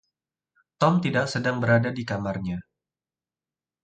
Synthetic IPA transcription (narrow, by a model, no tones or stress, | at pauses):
t̪ɔmt̪idaksədaŋbəɾadadikamarɲa